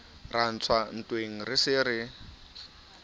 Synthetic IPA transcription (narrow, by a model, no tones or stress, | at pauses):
ran̩t͡sʰwan̩tʼweŋ̩rɪsɪɾɪ